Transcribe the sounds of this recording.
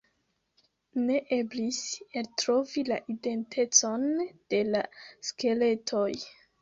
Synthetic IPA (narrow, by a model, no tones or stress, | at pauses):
ne̞ʔe̞bliseltɾo̞vila̰ʔide̞ntʰe̞t͡so̞nd̥e̞laske̞le̞tʰo̞j